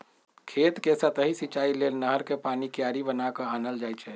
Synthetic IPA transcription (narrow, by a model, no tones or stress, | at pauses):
kʰet̪kesət̪əɦisit͡ʃailelnəɦəɾkepanikjaɾibənakəanəld͡ʒajt͡ʃʰɛ